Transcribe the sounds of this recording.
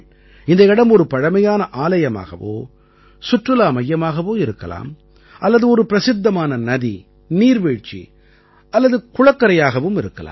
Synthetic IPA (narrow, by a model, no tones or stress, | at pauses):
ɪnd̪ɐɪɽɐmɔɾɯpɐɻɐmɐjaːnɐʔaːlɐjɐma̰ːɣɐ̰ʋo̰ː | sʊʈrɯlaːmɐjːɐmaːɣɐʋoːɪɾɯkːɐla̰ːm | ʔɐlːɐðɯɔɾɯpɪɾɐsɪd̪ːɐmaːnɐnɐði | niːɾʋeːɻt͡ʃḭ | ɐlːɐðɯkʊɻɐkːɐɾɐjaːɣɐʋɯmɪɾɯkːɐla̰ː